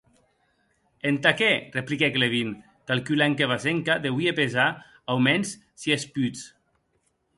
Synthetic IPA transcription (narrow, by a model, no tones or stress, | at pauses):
ent̪akereplikɛkleβ̞in | t̪alkylaŋkeβazeŋkaðewiepeza | awmɛns | siespyt͡s